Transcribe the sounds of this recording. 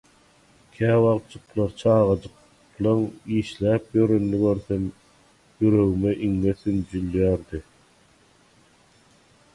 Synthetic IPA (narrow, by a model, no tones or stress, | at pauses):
kʲʰæːwɑʁt̪t͡ʃɯqlˠɑɾt͡ʃʰɑːʁɑd͡ʒɯq | lˠɑŋiːʃlæːp̚jøɾønːyɡøɾθøm | jyɾø̞ɣymeʔiŋːeθynd͡ʒylːyjæːɾd̪i